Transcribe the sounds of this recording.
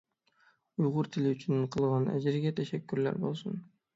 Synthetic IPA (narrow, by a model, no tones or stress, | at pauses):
ujʁʊɾt̪ʰɪlɪyt͡ʃʰynqʰɯlˠʁɑnæ̰d͡ʒɪɾɡʲæt̪ʰæʃækːyɾlæ̰ɾbo̞̰lˠsun